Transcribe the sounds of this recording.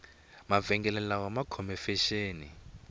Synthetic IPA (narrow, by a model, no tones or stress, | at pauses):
mavɛŋɡɛlɛlawamakʰɔmɛfɛʃeːni